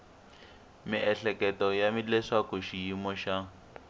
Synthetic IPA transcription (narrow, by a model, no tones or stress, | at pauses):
miʔɛɬɛkɛtɔjamilɛʂakoʃijimɔʃa